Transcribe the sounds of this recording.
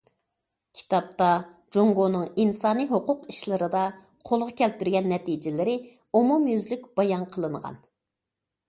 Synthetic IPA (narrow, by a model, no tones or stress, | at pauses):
kʲʰi̥t̪ɑp̚t̪ɑ | d͡ʒoŋɡonɨŋinsɑːnijɦoqʊqiʃlˠɨɾɨd̪ɑ | qʰolˠʁɑkʲɛlt̪yɾɡʲɛnːɛt̪id͡ʒɪlɪɾɪ | umumjyzlyk̚ʲb̥ɑjɑnqʰəlˠɨɴʁɑ̰n